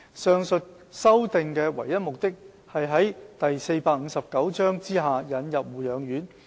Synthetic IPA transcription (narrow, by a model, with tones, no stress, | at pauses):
sœː˨˧ŋsɵ˨t̚ | sɐ˥wt̪ɪ˨ŋkɛː˧wɐ̰˨˩jːɐ˥t̚mʊ˨k̚t̪ɪ˥k̚ | hɐ˨jɦɐ˨˥jt̪ɐ˨jse˧jpaː˧k̚ŋ̩ː˨˧sɐ˨p̚kɐ˨˥wt͡ʃœː˥ŋt͡siː˥ɦaː˨jɐ˨˧njɐ˨p̚wuː˨jœː˨˧ŋjyː˨˥n